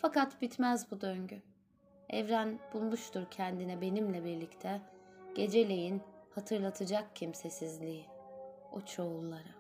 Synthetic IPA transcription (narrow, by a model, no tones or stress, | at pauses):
fakat̪bit̪mæzbud̪øɲɟy | ɛ̰vɾænb̥ulˠmuʃt̪ʰuɾcʰɛnd̪inɛbe̞nimlʲɛbiɾlʲict̪ʰɛ | ɟ̥e̞d͡ʒe̞lʲe̞jinhat̪ʰɯɾlˠat̪ʰɯd͡ʒak̚cʰimse̞sizlʲiː | ot͡ʃʰo̞ulˠːaɾa